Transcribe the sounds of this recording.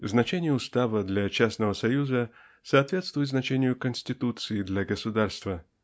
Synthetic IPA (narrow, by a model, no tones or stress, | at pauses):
znɐt͡ɕenʲɪjəʊst̪avəd̪lʲat͡ɕasnəvəsɐjuzə | sɐːt̪vʲe̞t̪st̪vʊjɪt̪znɐt͡ɕenʲɪjʊkənsʲtʲɪt̪ut̪sɨɪd̪lʲaɡəsʊd̪arst̪və